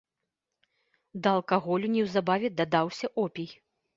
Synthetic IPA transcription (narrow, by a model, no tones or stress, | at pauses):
d̪ɐːlˠkaɣɔlʲunʲiwzabavʲɛd̪ɐd̪awsʲɐʔɔpʲij